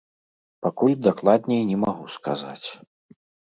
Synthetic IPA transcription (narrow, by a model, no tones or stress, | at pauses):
pakulʲd̪aklˠad̪ʲnʲɛjnʲɛmaɣuska̰za̰t͡sʲ